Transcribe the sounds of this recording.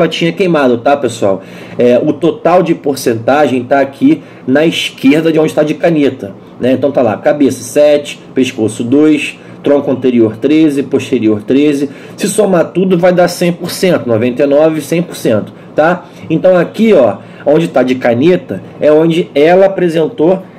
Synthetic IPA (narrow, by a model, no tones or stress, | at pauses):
ɛlɐt͡ʃĩɲɐkejmad̪ʊt̪apesua̰w | ɛʔʊt̪ot̪awd͡ʒɪpoɾsẽnt̪aʒẽj̃t̪aːkʰi | nɐiʃkeɾd̪ɐd͡ʒɪõd͡ʒɪt̪ad͡ʒɪkanet̪ɐ | nɛ̃t̪ɐ̃w̃t̪ala̰kabesɐ̥sɛt͡ʃɪ̥peʃkosʊd̪ojʃ | t̪ɾõkʊɐ̃nt̪eɾioɾt̪ɾezɪpoʃt̪eɾioɾt̪ɾezɪ | sɪsomat̪ud̪ʊvajd̪asẽj̃poɾsẽnt̪ʊnovẽnt̪ejnɔvɪsẽj̃poɾsẽnt̪ʊ̥ | t̪a | ẽnt̪ɐ̃w̃akiɔ | õd͡ʒɪt̪ad͡ʒɪkanet̪ɐ | ɛõd͡ʒɪɛlɐapɾezẽnt̪o